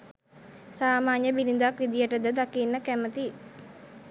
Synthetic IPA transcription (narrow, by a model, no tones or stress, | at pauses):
saːmaːnjəbilind̪akʋid̪ijəʈəd̪əd̪akinːəkæmət̪i